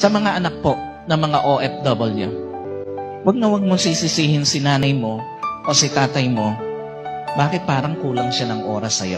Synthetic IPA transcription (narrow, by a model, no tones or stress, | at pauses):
sɐmɐŋaʔɐnɐk̚po̞ | nɐŋmɐŋaʔoʔɛf̚d̪obɐljṵ | wɐɡ̚nɐwɐɡ̚moŋsisɪsiːhɪnsɪnaːnɐjmo̞ | ʔosɪt̪aːt̪ɐjmo̞ | baːkɪt̪̚paːɾɐŋkuːlɐŋʃanɐŋʔo̞ːɾɐsːɐjo̰